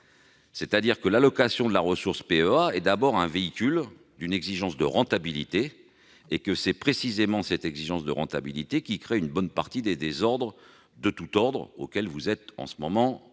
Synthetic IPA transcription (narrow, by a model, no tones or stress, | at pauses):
sɛt̪ad̪iʁkəlalɔkasjɔ̃d̪əlaʁəsuʁspeøaɛd̪abɔʁɛ̃veikʲyl | d̪ynɛɡziʒɑ̃sd̪əʁɑ̃t̪abilit̪eː | kəsɛpχesizemɑ̃sɛt̪ɛɡziʒɑ̃sd̪əʁɑ̃t̪a̰bilit̪ekʲikχeynbɔnpaʁt̪id̪ed̪ezɔʁd̪ʁ | d̪ət̪ut̪ɔʁd̪ʁo̰kʲɛlvuzɛt̪ɑ̰̃səmɔmɑ̃